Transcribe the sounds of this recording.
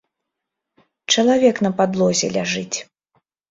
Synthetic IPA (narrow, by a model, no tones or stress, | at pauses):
t͡ʂɐlˠavʲɛkn̪ɐpad̪lˠɔzʲɛ̰lʲaʐɨt͡sʲ